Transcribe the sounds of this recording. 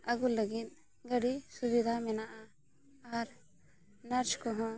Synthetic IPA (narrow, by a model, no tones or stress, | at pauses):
əɡulːəɡit̪̚ˀ | ɡəɖisubid̪ʱamɛnaʔaː | ɾ | nəɾt͡ʃkɔɦɔ̃